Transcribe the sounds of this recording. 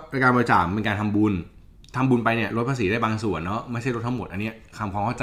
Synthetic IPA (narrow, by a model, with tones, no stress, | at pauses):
ɾa˧kaː˧bɔ˧ɾi˧˩t͡ɕa̰ː˨˩mpe˧nkaː˧nt̪ʰa˧mbu˧n | t̪ʰa˧mbu˧npa˧jni˥˩ɐɾo˦˥t̪̚ʰaː˧s̬iː˨˦da˥˩jbaː˧ŋsu˨˩ənːɔ˦˥ma˥˩jʰa˥˩ɾo˦˥t̪ʰa˥mo˨˩t̪ʔa˧nːi˦˥ɐ˩kʰa˧mkʰwaː˧mkʰa˥˩t͡ɕa˧